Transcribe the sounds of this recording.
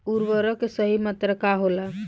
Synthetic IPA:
uɾʋəɾɔkesəɦimət̪ɾəkaɦolə

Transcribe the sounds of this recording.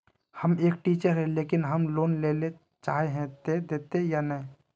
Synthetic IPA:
həmeːk̚ʈiːt͡ʃəɾɦɛ̃leːkɪnɦəmloːnleːle | t͡ʃaːɦeɦɛ̃t̪ed̪eːt̪ejanəɦĩ

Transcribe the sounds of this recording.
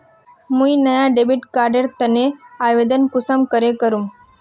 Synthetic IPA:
mũinəjaɖebiʈkaɾɖeɾt̪əneaʋed̪ənkʊsəmkəɾekəɾum

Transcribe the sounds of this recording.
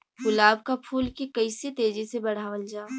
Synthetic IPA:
ɡʊlaːb̚kapʰuːlkikɐɪset̪eːd͡ʒisebɐɽ̤aːʋəld͡ʒaː

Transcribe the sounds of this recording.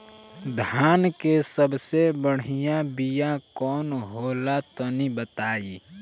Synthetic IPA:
d̪ʱaːnkesəbsebəɽ̤ijãbijãkɔːnɦoːlat̪onibət̪aːi

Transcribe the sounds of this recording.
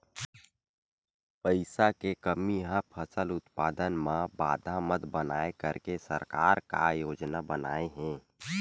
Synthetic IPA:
pəɪsakekəmiɦãpʰəsəlʊt̪paːd̪ənmãba̰ːd̪ʱamət̪bənaːekəɾkesəɾkaːɾka̰joːd͡ʒnabəna̰ːeɦɛ̃ː

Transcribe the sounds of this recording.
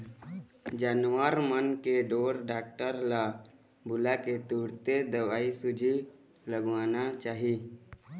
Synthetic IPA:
d͡ʒaːnwaɾmənkeɖoːɾɖaːk̚ʈəɾla | bʊlaket̪uːɽt̪ed̪ɐwaːisʊd͡ʒʱi | ləɡʋaːnat͡ʃaːɦiː

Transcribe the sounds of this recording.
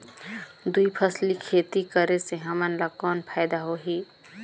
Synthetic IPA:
d̪uipʰəslikʰeːt̪ikəɾeseɦəmənlakɔːnpʰaːjd̪aɦoɦiː

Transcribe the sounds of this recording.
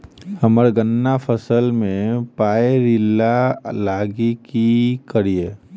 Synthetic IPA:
hɐməɾɡənːafʰəsəlmẽpaːeɾɪlalaːɡikikəɾie

